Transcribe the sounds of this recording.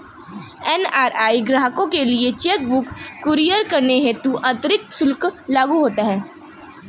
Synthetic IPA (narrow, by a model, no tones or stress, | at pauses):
ɛːnaːɾaːiɡɾaːɦkõkeliet͡ʃeːk̚bʊkːʊɾijəɾkɐɾneɦɛ̃t̪uʔɐ̃t̪ɾɪk̚t̪sʊlklaːɡuɦoːt̪aɦɛː